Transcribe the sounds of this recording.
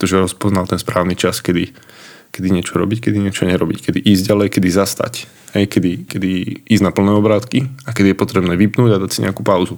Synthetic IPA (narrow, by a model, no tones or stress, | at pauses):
ɛt̪ɔʒɛɾɔspɔznalt̪ɛnspɾaːʊnit͡ʃaskɛd̪i | kɛd̪iɲɪɛt͡ʃɔɾɔbickɛd̪iɲɪɛt͡ʃɔɲɛɾɔbickɛd̪iʔiːzɟɟalɛjkɛd̪izast̪a̰c | hɛjkɛd̪ikɛd̪iiːzɟnapl̩nɛːɔbɾaːt̪kiakɛd̪ijɛpɔt̪ɾɛbnɛːʋipnuːɟad̪acsiɲɛ̰akuːpaʊzu